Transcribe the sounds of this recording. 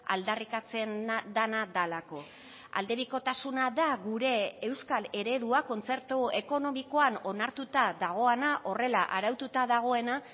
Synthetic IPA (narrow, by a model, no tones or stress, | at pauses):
a̰ld̪arikat͡se̞nd̪anaðalako̞ | a̰ld̪e̞βiko̞t̪asunaðaɣuɾe̞ːwskale̞ɾe̞ðuako̞nt͡se̞ɾt̪ue̞ko̞no̞miko̞ano̞naɾt̪ut̪aðaɣ̞o̞enaʔo̞re̞laʔaɾawt̪ut̪aðaɣ̞o̞e̞na